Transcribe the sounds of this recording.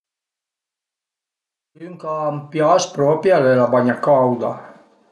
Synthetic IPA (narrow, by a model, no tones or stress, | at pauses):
yŋkaːmpjaspɾɔpjalɛlabaɲakawd̪a̰